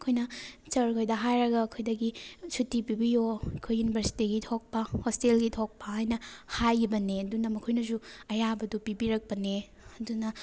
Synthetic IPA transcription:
ɐkʰojnɐt͡ʃɐɾkʰojdɐɦajɾɐɡɐːkʰojdɐɡisutːipibijoɐkʰojːunibʱɐɾsi̥tiɡitʰok̚pɐhostelɡitʰok̚pɐɦajnɐhajbɐneɐdunɐmɐkʰojnɐzuɐjabɐdupibiɾɐk̚pɐne | ɐdunɐ

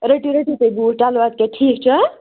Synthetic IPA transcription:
ɾeʈiɾeʈit̪əjbuʈalʋat̪̚keʈʰik̚t͡ʃʰə

